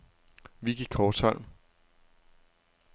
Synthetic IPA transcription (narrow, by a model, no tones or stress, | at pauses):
ʋiɡ̥i̥kʰɒːd̥shɒn̰m